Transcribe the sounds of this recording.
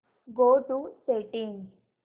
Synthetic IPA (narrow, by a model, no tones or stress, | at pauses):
ɡoʈuseʈiŋ